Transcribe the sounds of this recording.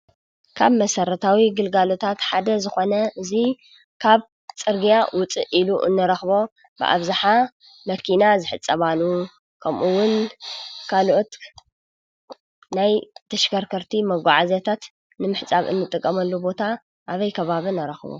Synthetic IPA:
kʰaβmɐsɐɾɐt̪ʰawiɡɨlɡalo̞t̪ʰat̪ħad̪ɐzɨxo̞nɐʔɨzi | kʰaβ | t͡sʼɨɾɡijawʊt͡sʼɨ̰ʔiluʔɨ̰nːɨɾɐxbo̞ | bɨ̰ʔa̰βzaħa | mɐkʰinazɨħɨt͡sʼːɐβalu | kʰɐmʔuwːʊn | kʰaloʔot̪ | najt̪ʰɐʃɡɐɾkʰɐɾt̪ʰimɐɡʷaʕazet̪ʰat̪ | nɨmɨħt͡sʼaβɨ̰nːɨt̪ʼɨkʼːɐmɐlːubo̞t̪ʰa | ʔaβɐjkʰɐβaβɨnɐɾɐxβo̰

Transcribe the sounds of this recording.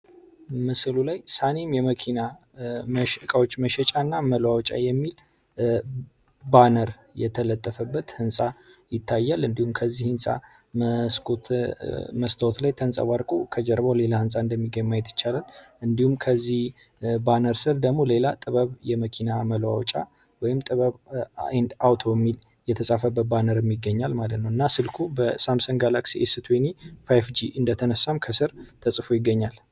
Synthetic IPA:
mɨslulajsanemjɛməkʰina | məʃkʼəwot͡ʃːməʃɛt͡ʃʼanːaməlwawt͡ʃʼa̰jːɛmːil | banəɾ | jɛ̰t̪ʰələt̪ʼːəfəbːət̪hɨnsʼajɪt̪ʰːajːalɨnd̪ihumkʰəzːihɨnsʼa̰ | sko | məst̪ʰəwot̪lajt̪ʰənsʼə̰waɾkʼokʰəd͡ʒɛɾbole̞lahɨnsʼaɨnd̪əmːiɡəɲmːajt̪ʰːɨt͡ʃːalalʔɨnd̪ihumkʰəzːih | banəɾsɨɾd̪əɡmo̞le̞lat̪ʼɨβəβjɛməkʰinaməlwa̰wt͡ʃʼa̰ | wɔjɪmt̪ʼɨβəβend̪awt̪ʰo̞jɛmːil | jɛt̪ʰəsʼafəbːət̪̚banəɾɨmːɪɡːəɲːalmalət̪nəwɨnːasɨlkʰubəsamsənɡalaksiʔesɨt̪ʰwenifajfd͡ʒiʔɨnd̪ət̪ʰənəsːamkʰəsɨɾt̪ʰəsʼɨfojɪɡːəɲːal

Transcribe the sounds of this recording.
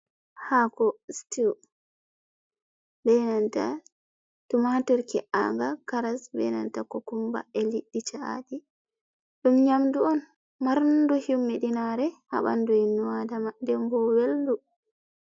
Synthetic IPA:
hakɔstiw | bɛnanta̰ | tumatɔɾkɛʔa̰ŋɡakaɾasbɛ̰na̰ntakɔkumba̰ɛliɗːit͡ʃaa̰di | ɗumɲamduɔn | maɾnduhiwmːiɗinaɾɛha̰ɓa̰nduinːuwadamadɛmbɔweldu

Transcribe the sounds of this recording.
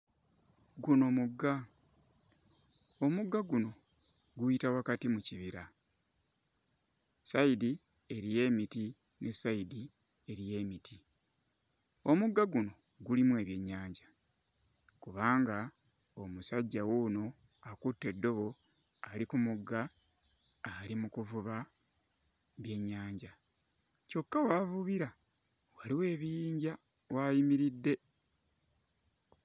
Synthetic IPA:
ɡuno̞muɡːa | o̞muɡːaɡuno̞ | ɡuitawakatimuciβiɾa | saidi | e̞ɾije̞ːmiti | ne̞saidi | e̞ɾije̞ːmiti | o̞muɡːaɡuno̞ | ɡulimwe̞ːβje̞ɲːaːɲɟa | kuβaːŋɡa | o̞musaɟːawuno̞ | akutːe̞dːo̞βo̞ | alikumuɡːaː | limukuvuβa | βje̞ɲːaːɲɟa | co̞kːawavuβiɾa | waliwe̞ːβijiːɲɟa | wajimiɾidːe̞

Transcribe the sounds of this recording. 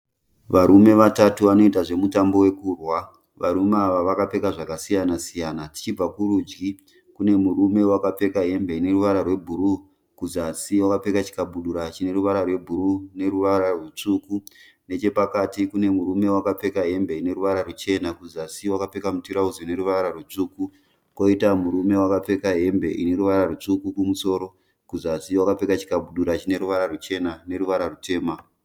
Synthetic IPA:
ʋaɾume̞ʋatatuʋano̞itaʐe̞mutambo̞we̞kuːrwa | ʋaɾumeaʋaʋakape̞kaʐakasijanasijaːnati̥t͡ʃib͡vakuɾud͡ʒɡi | kune̞muɾume̞wakap͡fe̞kaɦe̞mbe̞ine̞ruʋaɾarwe̞bʱuɾu | kuzasiwakap͡fe̞kat͡ʃi̥kaɓuɗuɾat͡ʃine̞ɾuʋaɾarwe̞bʱuɾune̞ɾuʋaɾarwut͡ʂuːku | ne̞t͡ʃe̞pakatikune̞muɾume̞wakap͡fe̞kaɦe̞mbe̞ine̞ɾuʋaɾarut͡ʃe̞nakuzasiwakape̞kamutiɾauzoine̞ɾuʋaɾarwut͡ʂuːku | kwoitamuɾume̞wakap͡fe̞kaɦe̞mbe̞ʔine̞ɾuʋaɾarut͡ʂukukumuso̞ːɾo̞ | kuzasiwakap͡fe̞kat͡ʃi̥kaɓuɗuɾat͡ʃine̞ɾuʋaɾarut͡ʃe̞nane̞ɾuʋaɾarutʰe̞ːma

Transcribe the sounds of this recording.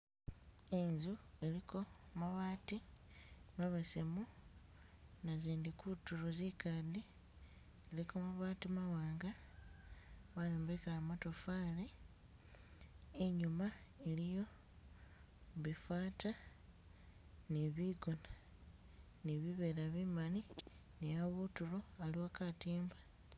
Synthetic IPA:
e̞ɲzue̞likʰo̞maβaːti | maβasemu | naziːndikutuɾozikadi | zilikomaβaːtimawaːŋɡa | βaleːmbekelamatofaːle | eɲumaelijo̞ | βifaːta | neβiɡona | niβiβeɾaβimani | nejaβutuloaliwakatiːmbḁ

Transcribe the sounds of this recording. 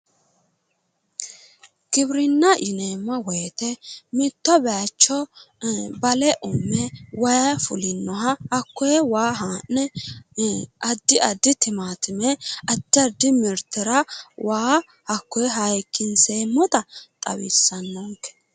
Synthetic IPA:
ɡ̥ɪbɾɪnːɐʔɪneːmːɐwɔjt̪ɛmɪt̪ːɔbɛat͡ʃːɔ | bɐlɛʔʊmːɛwɐjɐfʊlɪnːɔɦɐhɐkːɔjɛwaːɦaːnːɛ | ʔɐd̪ːɪɐd̪ːɪt̪ɪmaːt̪ɪmɛɐd̪ːɪɐd̪ːɪmɪɾt̪ːɪɾɐwaː | hɐkːɔjɛɦɐjkʰːɪnseːmːɔt̪ɐt̪ʼɐ̰wḭsːɐnːɔŋkːɛ̥

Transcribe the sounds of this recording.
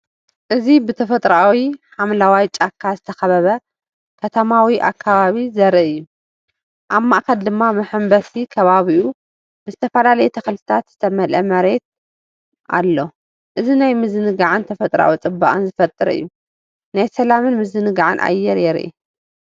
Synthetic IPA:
ʔɨzibɨt̪ʰɐfɐt̪ʼɾawiħamlawajt͡ʃʼakʰːazɨt̪ʰɐxɐβɐβɐ | kʰɐt̪ʰɐmawiʔa̰kʰːaβaβizɐɾɨʔɨjːu | ʔamːaʔkɐld̪ɨmːamɐħɨmbɐsikʰɐβaβiʔu | b̥ɨzɨt̪ʰɐfɐlalɐjɛt̪ʰɐxɐlt̪ʰɨ̥t̪ʰat̪z̥ɨt̪ʰɐmɐlʔɐmɐɾe̞t̪̚ | ʔa̰lːo̞ | ʔɨzinajmɨzɨnɨɡaʕɨnt̪ʰɐfɐt̪ʼɾa̰wit͡sʼɨbːa̰ʔʼɨ̰nzɨfɐt̪ʼɨɾɨ̰jːu | najsɐlamɨnmɨzɨnɨɡaʕɨ̰nʔa̰jːɛɾjɛɾʔḭ

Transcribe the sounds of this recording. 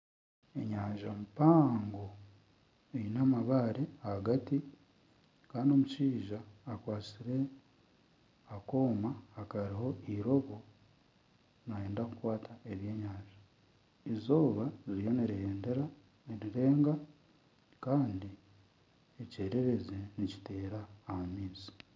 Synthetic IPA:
e̞̰ɲaːɲʒamupaːŋɡo̞ | einamaβaːɾe̞ahaɡati | kaːndio̞muʃiːʒaːkwaːsiɾe̞ | ako̞ːmaːkaɾiɦo̞iɾo̞βo̞ | naje̞ːndakukwaːtʰae̞βje̞ːɲaːʒi | izo̞ːβaziɾijo̞niɾeneɾa | ɾiɾe̞ːŋɡa | kaːndi | ece̞ːɾe̞ɾe̞zenici̥te̞ːɾaːhamiːzi̥

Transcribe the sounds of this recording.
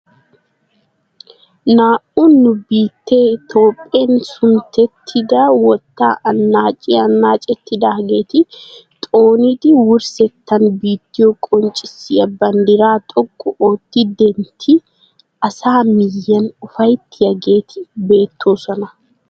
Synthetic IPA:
naːʔʊnːʊbiːt̪ːeːt̪o̞ːpʼːeːnsʊnt̪ɛt̪ʰːɪd̪aːwɔt̪ːa̰ːʔɐnːaːt͡ʃʼɪːɐnːaːt͡ʃʼɛt̪ːɪd̪aːɡe̞ːt̪ɪt̪ʼoːniːt̪ɪwʊɾsɛt̪ːɐnbiːt̪ːɪjokʼɔnt͡ʃʼɪsɪɐbːɐnd̪ɪɾaːt̪ʼɔkʼːɔʔoːt̪ːɪd̪ɛnt̪ʰɪ | ɐsaːmɪjːɐnʊfɐjt̪ːɪjɐɡe̞ːt̪ʰɪbe̞ːt̪ʰːoːsɔnɐ

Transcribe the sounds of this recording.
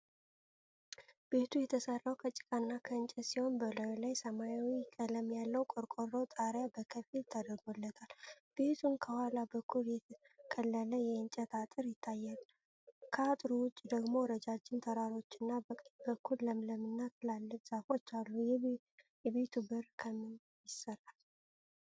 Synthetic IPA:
b̥e̞t̪ʰujɛt̪ʰəsərːawkʰət͡ʃʼɪ̥kʼanːakʰəɨnt͡ʃʼɛt̪siho̞nbəlojlajsəmajawikʼələmjalːəwkʼoɾkʼorːowt̪ʼaɾjabəkʰəfilt̪ʰad̪əɾɡolːət̪ʰal | b̥e̞t̪ʰunkʰəhalabəkʰːuljɛ | kʰʼəlːələjɛɨnt͡ʃʼət̪ʰat̪ʼɨɾjɪt̪ʰːajːalː | kʰəat̪ʼɾuwʊt͡ʃʼːd̪əɡmo̞ɾəd͡ʒad͡ʒɪnt̪ʰəɾaɾo̞t͡ʃːɨnːabəkʼbəkʰːulləmləmɨnːat̪ʰɨlalːɨfz̥afo̞t͡ʃːalːujɛ | jɛβe̞t̪ʰubɨɾkʰəmɨn | jɪsəral

